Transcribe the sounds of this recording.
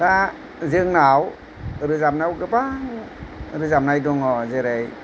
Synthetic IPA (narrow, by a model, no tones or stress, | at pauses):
ta | zɯŋnaw | ɾɯzamnawɡɯbaŋ | ɾɯzamnajdɔŋɔzɯɾej